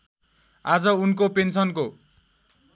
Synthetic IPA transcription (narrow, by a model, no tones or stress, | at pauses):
ad͡zʌunkopensʌnko